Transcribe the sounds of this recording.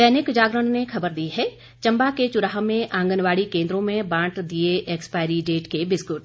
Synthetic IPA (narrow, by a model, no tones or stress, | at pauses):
d̪ɛːnɪkd͡ʒaːɡɾəɳnekʰɐbəɾd̪iɦɛ | t͡ʃɐ̃mbaket͡ʃʊɾaːɦəmẽʔãːŋɡənʋaːɽikẽːnd̪ɾõmẽbãːʈd̪ieʔɛːkspaːɪɾiɖeːʈkebɪskʊʈ